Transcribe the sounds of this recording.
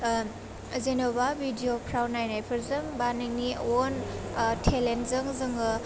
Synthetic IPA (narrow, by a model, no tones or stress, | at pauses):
zenobabʱidiopʰɾawnajnajpʰɐɾzɯŋbaneŋniontʰelentzɯŋzɯŋɯ